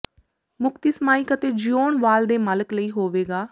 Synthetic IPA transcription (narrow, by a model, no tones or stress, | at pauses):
mʊkt̪iːsmaːiːkət̪eːd͡ʒijoːnʋaːld̪eːmələkləiːɦoːʋeːɡaː